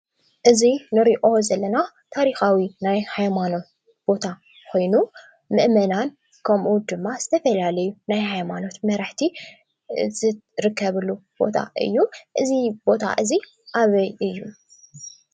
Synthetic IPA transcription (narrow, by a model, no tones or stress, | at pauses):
ʔɨzinɨɾiʔo̞zɐlːɐna | t̪ʰaɾixawinajhajmano̞t̪ | b̥o̞t̪ʰa | kʰo̞jnu | mɨʔmɐnan | kʰɐmʔud̪ɨmːaz̥ɨt̪ʰɐfɐlalɐjunajhajmano̞t̪mɐɾaħt̪ʰi | zɨɾɨkːɐβɨlːub̥o̞̰t̪ʰa̰ʔɨ̰jːuʔɨzib̥o̞t̪ʰa̰ʔɨzi | ʔaβɐjʔɨjːu